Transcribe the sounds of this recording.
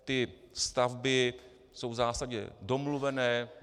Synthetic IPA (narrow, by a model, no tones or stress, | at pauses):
t̪ɪ | st̪avbɪ | so̞wvzaːsaɟɛ̰do̞mluvɛnɛː